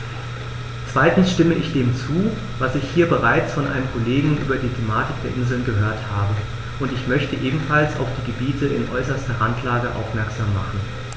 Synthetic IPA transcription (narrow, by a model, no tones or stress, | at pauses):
t͡sv̥aɪtn̩sʃtɪməʔɪçd̥eːmt͡suː | vasɪçhiːɐbəʁaɪt͡sfɔnʔa̰ɪnəmkʰoleːɡŋ̩ʔyːbɐdiːtʰemaːtɪk̚d̥eːɐʔɪnzl̩nɡəɦøːɐthaːbə | ʔʊntɪçmœçtəʔeːbm̩falsa̰ʊfd̥iːɡəbiːtʰəɪ̰nʔɔʏsɐstɐʁantʰlaːɡəʔa̰ʊfmɛɐkz̥aːmːaχn̩